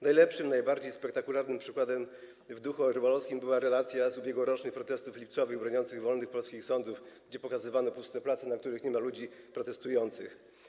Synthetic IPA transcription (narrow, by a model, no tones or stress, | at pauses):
najlɛpʂɘmnajbaɾd͡ʑejspɛk̚t̪akulaɾnɘmpʂɘkwad̪ɛm | vd̪uxuɔɾbɔlɔfskʲimbɘwaɾɛlat̪sʲjazubʲjɛɡwɔɾɔt͡ʂnɘxpɾɔt̪ɛst̪uflʲipt̪sɔvɘɣbɾɔɲɔnt̪sɘɣvɔlnɘxpɔlskʲixsɔnd̪ufɡd͡ʑɛpɔkazɘvanɔpust̪ɛplat̪sɛnak̚t̪uɾɘxɲɛmalud͡ʑipɾɔt̪ɛst̪ujɔnt̪sɘx